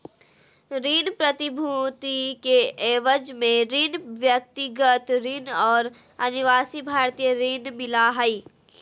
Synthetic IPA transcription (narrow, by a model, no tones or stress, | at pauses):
ɾiːnpɾət̪ɪbʱut̪ikeeːʋəd͡ʒmẽɾɪnʋjək̚t̪ɪɡət̪ɾɪnɔːɾ | ɐnɪʋaːsibʱaːɾt̪ijəɾɪnmɪlaɦəi